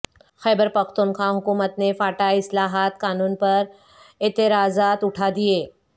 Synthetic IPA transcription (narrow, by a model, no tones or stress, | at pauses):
xɛːbəɾpɐxt̪unxãːɦʊkuːmət̪nefaːʈaɪslaːɦaːt̪kaːnuːnpɐɾ | eːt̪ɪɾaːzaːt̪ʊʈʰad̪ieː